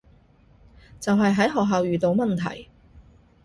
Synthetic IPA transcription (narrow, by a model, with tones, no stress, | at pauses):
t͡sɐ˨wɦɐ˨jɦɐ˨˥jɦɔː˨k̚ɦaː˨˧wjyː˨t̪o˧wmɐ˨nt̪ʰɐ̰˨˩j